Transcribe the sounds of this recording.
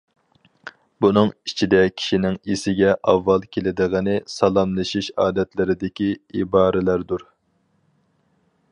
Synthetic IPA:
bunɨŋit͡ʃʰid̪ɛkʲʰi̥ʃinɪŋisɪɡʲɛʔɑvːɑlˠkʲʰelɪd̪ɨʁənɪsɑlˠɑmlˠɨʃiʃɑːd̪ɛt̪lɪɾɪd̪ɪkʲiibɑːɾɪlæɾd̪uɾ

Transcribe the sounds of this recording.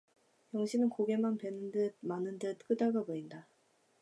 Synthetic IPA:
jʌŋɕʰinɯnkoɡe̞manpenɯndɯt̚manɯndɯt̚k͈ɯdaɡaboinda

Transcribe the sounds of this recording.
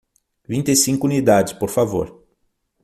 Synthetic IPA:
vĩnt̪esĩŋkʊunid̪ad͡ʒɪspoɾfavo̰ɾ

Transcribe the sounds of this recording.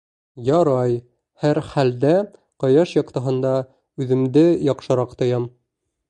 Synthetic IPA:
jɒɾɑj | hæɾχæld̪æ | qɑjɑʃjɒqt̪ɑɦɤ̆nd̪ɑ | ʉðɘ̆md̪ɘjɒqʃɤ̆ɾɑqt̪ŏjɑm

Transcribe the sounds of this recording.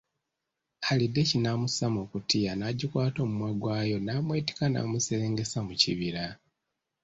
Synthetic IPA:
alidːe̞cinamusamokutʰijanaɟikwaːto̞ːmumwaɡwaːjo̞naːmwe̞ːti̥kana̰museeːŋɡe̞samuciβiɾa

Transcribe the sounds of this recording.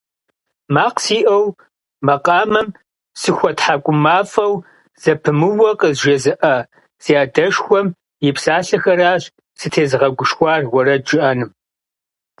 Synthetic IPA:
maːqsiːʔɐw | mɐqʼɑːmɐm | sɨxʷɔtħakʷʼʊmaːfɐw | z̥ɐpʰɨmɨwɐqʼəzʒɐzɨʔɐ | z̥iaːdɐʂxʷɔm | jɪpsaːɬɐxɐraːɕ | sɨtʰeːzɨʁɐɡʷʊʃxʷɑːrwɐɾɐd͡ʒɨʔɐnɨm

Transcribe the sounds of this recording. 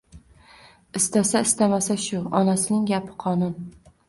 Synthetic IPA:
ɪst̪asaɪst̪amasaʃʊɒnasɪnɪŋɡʲapʰɪ̥qʰɒnʊn

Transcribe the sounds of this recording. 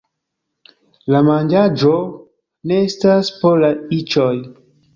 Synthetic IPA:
lamand͡ʒad͡ʒo | ne̞estaspolait͡ʃoj

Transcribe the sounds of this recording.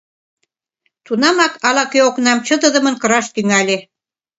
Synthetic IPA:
t̪unɑmɑkɑlɑkøoknɑmt͡ɕə̆d̪ə̆d̪ə̆mə̆nkɤ̆ɾɑʃt̪yŋælʲe

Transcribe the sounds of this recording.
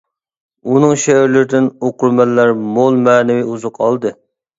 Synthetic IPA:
unɨŋʃɛɾlɪɾɪd̪ɪnoqʊɾmɛlːæɾmolˠmæːnɪwɪuzʊqʰɑlˠd̪ɨ

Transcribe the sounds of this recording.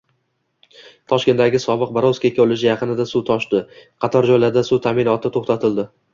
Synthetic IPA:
t̪ʰɒʃkʲe̞nd̪aɡʲɪsɒbɨq̚baɾoskʲakʲʰɵlɪʃ̬ɪjɑqʰɨnɪd̪asut̪ʰɒʃt̪ɪqʰɑt̪ʰɒɾd͡ʒɒjlaɾd̪asut̪ʰamɪnɒt̪ʰɪt̪ʰoχt̪at̪ʰɪld̪ɪ

